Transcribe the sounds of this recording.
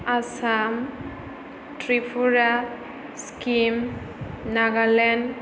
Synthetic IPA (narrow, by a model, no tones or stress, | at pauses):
asam | tɹipʰuɹa | skim | naɡalɛn